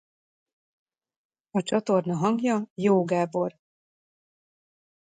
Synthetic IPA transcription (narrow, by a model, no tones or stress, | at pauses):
ɒt͡ʃɒt̪o̞rnɒɦɒŋɡjɒjoːɡaːbo̞r